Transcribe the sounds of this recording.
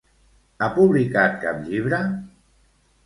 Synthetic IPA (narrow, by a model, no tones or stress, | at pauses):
apuβlikat̪̚kapʎiβ̞ɾə